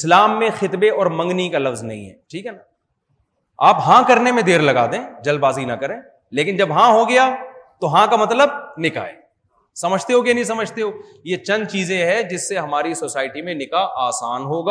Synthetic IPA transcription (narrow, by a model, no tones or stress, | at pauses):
ɪslaːmːẽxɪt̪beɔːɾmɐ̃ŋɡnikalɐfznɐ̰ɦḭ̃ɦɛ̰ːʈʰiːkɦɛnaː | aːpɦãkɐɾnemẽd̪eːɾlɐɡa̰ːd̪ẽːd͡ʒɐlbaːzinɐkɐɾẽː | leːkɪnd͡ʒɐbɦãɦoɡɐjaːt̪oɦãkamɐt̪ləb̚nɪka̰ːḛː | sɐməd͡ʒʱt̪eɦoɡenɐ̃ɦĩs̬ɐməd͡ʒʱt̪eɦoːjet͡ʃɐ̃nd̪̚t͡ʃiːzẽɦɛ̃d͡ʒɪsːeɦɐmaːɾisoːsaːɪʈimẽnɪkaʔaːsaːnɦoːɡaː